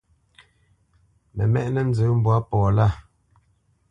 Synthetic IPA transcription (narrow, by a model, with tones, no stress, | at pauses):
mɛ̰˨mɛ˦ʔnɛ˦n̩˦d͡zəː˨˦m˦bwa˦pɔː˨la˦˨